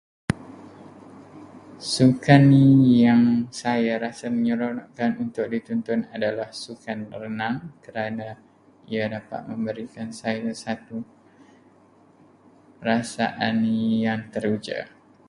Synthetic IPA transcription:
sukanijaŋsajaɾasaməɲəɾonaʔkanunt̪ʊk̚dit̪ɔnt̪ɔnadalahsukanrənãŋkəɾana | iadapa̰t̪̚mə̃mbəɾikansajasat̪u | rasa̰ʔanːijaŋt̪əɾud͡ʒa̰ʔ

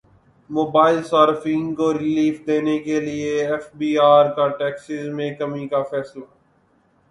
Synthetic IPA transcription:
moːbaːɪlsaːɾfɪ̃ŋɡkoɾɪliːfd̪eːnekelieɛfbiːaːɾkaʈɛːksɪzmẽkɐmikafɛːsla

